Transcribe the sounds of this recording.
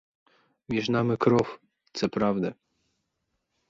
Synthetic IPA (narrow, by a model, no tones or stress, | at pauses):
mʲjɛʐnamɘkɾɔf | t̪sɛpɾavd̪ɛ